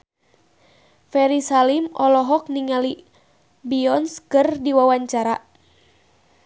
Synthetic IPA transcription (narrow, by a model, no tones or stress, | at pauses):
fɛɾisalimɔlɔɦɔk̚niŋali | biɔnskɨrdiwawaɲt͡ʃaɾa